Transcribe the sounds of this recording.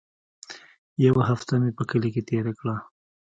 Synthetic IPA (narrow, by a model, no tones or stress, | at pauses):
jawaɦaft̪amepəkəleket̪eɾakɽa